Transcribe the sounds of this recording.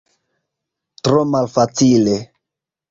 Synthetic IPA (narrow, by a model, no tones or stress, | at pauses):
tɾomalfat͡sile